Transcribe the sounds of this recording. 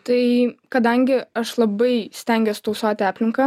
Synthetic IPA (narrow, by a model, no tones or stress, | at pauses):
t̪ɐɪkɐd̪ɐŋʲɡʲɪɐʃlˠɐbɐɪsʲt̪ʲɛŋʲɡʲoːst̪oʊsoːt̪ʲɪæːpʲlʲɪŋkɐː